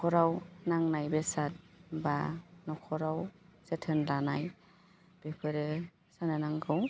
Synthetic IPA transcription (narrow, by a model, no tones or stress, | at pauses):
kʰɔɾawnaŋnajbesat̚ | banɔkʰɔɾawsetʰɯnlanaj | b̥epʰɯɾe | sanɯnaŋɡɯw